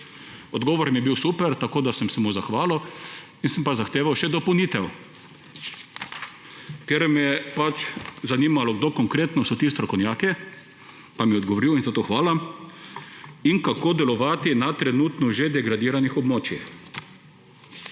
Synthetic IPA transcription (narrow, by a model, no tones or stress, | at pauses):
ɔd̪ɡɔːʋɔɾmiɛbiwsuːpɛɾt̪akoːd̪asəmsɛmuzaxʋaːlɔ | insɛmpazaxt̪eːʋawʃɛd̪ɔpowniːt̪ɛw | k̪eɾmɛpat͡ʃzaniːmalɔɡd̪oːkɔŋkɾeːt̪nɔsɔt̪iːst̪ɾɔkɔwnjaːkɛ | pamiɛɔd̪ɡɔʋoɾiwinzat̪oxʋaːla | inkakoːd̪ɛlɔʋaːt̪inat̪ɾɛnut̪nɔʒed̪ɛɡɾad̪iːɾanixɔbmoːt͡ʃix